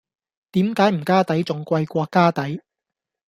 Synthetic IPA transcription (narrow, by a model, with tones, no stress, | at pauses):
t̪iː˨˥mkaː˨˥jm̩˨˩kaː˥t̪ɐ˨˥jt͡sʊ˨ŋkʷɐ˧jkʷɔː˧kaː˥t̪ɐ˨˥j